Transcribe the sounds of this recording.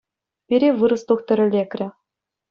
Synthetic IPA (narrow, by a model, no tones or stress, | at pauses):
pʲiɾʲeʋɯɾɤ̆st̪uxt̪ʲɘ̆ɾʲɘ̆lʲekʲrʲɘ̆